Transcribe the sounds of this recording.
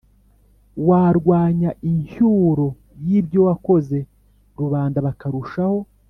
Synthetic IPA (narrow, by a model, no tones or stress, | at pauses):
waɾɡwaːɲaʔiɲhuɾo̞ | jibjo̞wako̞ze̞ | ɾuβaːndaβakaɾuʃaho̞